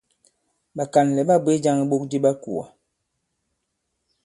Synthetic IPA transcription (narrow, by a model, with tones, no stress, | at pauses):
ɓa˨ka˨n˨lɛ˨ɓa˦bwe˦d͡ʒa˦ŋi˨ɓo˦k̚di˦ɓa˦ku˨a̰˨